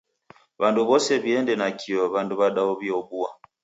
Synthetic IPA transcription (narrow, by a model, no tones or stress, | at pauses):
βanduβɔsɛβiɛndɛnakʰiɔβanduβaɗaɔβiɔbua